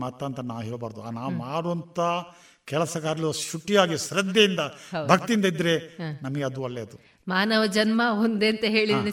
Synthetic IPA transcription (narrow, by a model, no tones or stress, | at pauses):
maːt̪aːnt̪ɐnaːʋɦeːɭbaːɾd̪uanaːmaːɽoɐnt̪ɐ | kɛɭɐsɐkaːɾɐlʃuʈːijaːɡiʃɾɐd̪jɐjind̪ɐbʱɐkt̪iind̪ɐid̪ːɐɾe̞nɐmɐɡeɐd̪uɐlːeɐd̪u | maːnɐʋɐd͡ʒɐnmɐond̪eːnt̪ɐɦeːɭid̪ini